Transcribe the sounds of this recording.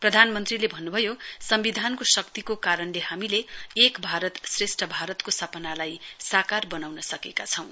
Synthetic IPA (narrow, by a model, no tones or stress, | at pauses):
prʌd̪ʱanmʌnt̪rilebʱʌnːubʱʌjosʌmbid̪ʱankosʌkt̪ikokaɾʌnleɦamileːkbʱaɾʌt̪sresʈʌbʱaɾʌt̪kosʌpʌnalajsakarbʌnawnʌsʌkekat͡sʰʌ̃w̃